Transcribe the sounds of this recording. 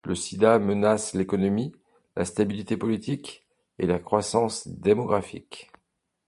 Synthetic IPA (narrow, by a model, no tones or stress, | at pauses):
ləsid̪amənaslekɔnɔmi | lʔast̪abilit̪epɔlit̪ik | elakχwasɑ̃sd̪emɔɡʁafḭk